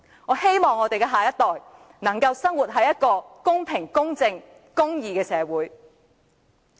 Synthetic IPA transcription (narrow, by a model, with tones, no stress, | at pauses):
ŋɔː˨˧he˥jmɔː˨ŋːɔː˨˧t̪e˨jkɛː˧ɦaː˨jɐ˥t̪ɔː˨j | nɐ˨˩ŋkɐ˧wsɐ˥ŋwu˨t̚ɦɐ˨jːɐ˥t̚kɔː˧kʊ˥ŋpʰɪ˨˩ŋkʊ˥ŋt͡sɪ˧ŋ | kʊ˥ŋjiː˨kɛː˧sɛː˨˧wuː˨˥j